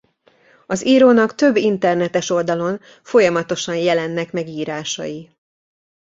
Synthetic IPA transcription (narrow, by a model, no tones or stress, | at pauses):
ɒziːɾoːnɒkt̪ø̞bːint̪ɛrnɛt̪ɛʃo̞ld̪ɒlo̞n | fo̞jɒmɒt̪o̞ʃɒnjɛlɛnːɛkmɛɡiːɾaːʃɒ̰ji